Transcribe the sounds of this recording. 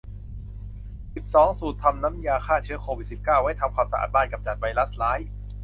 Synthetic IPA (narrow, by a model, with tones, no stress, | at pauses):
si˨˩p̚sɔː˩˦ŋsuː˨˩t̪ʰːa˧mna˦˥mjaː˧kʰaː˥˩t͡ɕʰɯ˦˥əkʰoː˧wi˨˩t̪̚si˨˩p̚kaː˥˩wha˥˩jt̪ʰa˧mkʰaː˧msa˧ʔa̰ː˨˩t̪̚baː˥˩jka˨˩p̚t͡ɕa˨˩t̪̚wa˧jla˦˥slaː˦˥j